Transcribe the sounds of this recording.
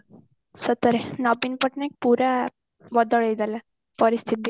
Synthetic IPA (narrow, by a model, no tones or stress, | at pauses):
sət̪əɾenɔbinpəʈnaek̚puɾa | ʋəd̪əɭed̪ala | pəɾist̪ʰit̪i